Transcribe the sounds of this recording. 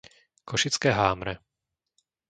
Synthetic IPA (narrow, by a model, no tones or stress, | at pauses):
kʰɔʃit͡skɛːɦaːmɾɛ